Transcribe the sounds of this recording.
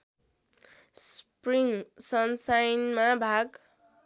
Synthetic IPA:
spriŋsʌnsajnmabʱaɡ

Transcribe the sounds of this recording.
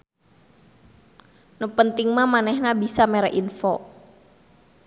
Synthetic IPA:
nupənt̪ɪŋmamanɛhnabisamɛɾɛʔinfɔ

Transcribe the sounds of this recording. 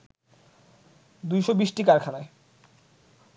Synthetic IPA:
d̪ujʃobiʃʈikaɾkʰanae

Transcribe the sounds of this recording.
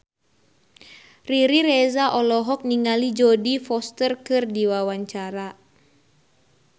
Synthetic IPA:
riɾiɾɛzaʔɔlɔɦɔk̚niŋalid͡ʒɔdifɔst̪ərkɨrdiwawaɲt͡ʃaɾa

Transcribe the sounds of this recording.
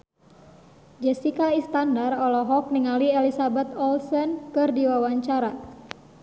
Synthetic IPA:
d͡ʒɛsikaist̪andarɔlɔɦɔk̚niŋaliɛlisabɛt̪ɔlsɔnkɨrdiwawaɲt͡ʃaɾa

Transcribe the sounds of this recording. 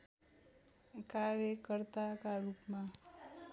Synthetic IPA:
kaɾjəkəɾt̪akaɾupmã

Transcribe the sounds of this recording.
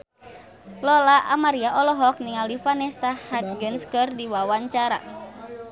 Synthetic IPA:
lɔlaʔamaɾiaʔɔlɔɦɔk̚niŋalifanɛsahat̪̚ɡənskɨrdiwawaɲt͡ʃaɾa̰

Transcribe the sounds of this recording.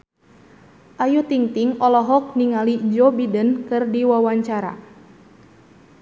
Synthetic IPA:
ʔajut̪iŋt̪iŋɔlɔɦɔk̚niŋaliɲd͡ʒɔbidənkɨrdiwawaɲt͡ʃaɾa̰

